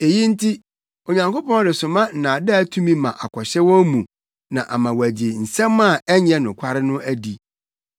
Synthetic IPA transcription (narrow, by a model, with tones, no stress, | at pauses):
e˨ji˦n̩˦tʰi˦ | o˨ɲã˨ŋko˦pɔ̃˦dɪ˨sʊ˨mã˦n̩˨nã˨dɛ˦æ˦tʰũ˦mĩ˦mã˨ʔa˨kʷʰɔ˨ɕɛ˦wɔ˦mũ˨ | nã˨ʔa˨mã˨wæ˨d͡ʑɪ˨n̩˨sɛ̃˦mːã˦˨ɛ˦ɲ˦ɛ̃˦nʊ̃˨kʷʰa˦ɾɪ˦nʊ̃˦æ˦di˨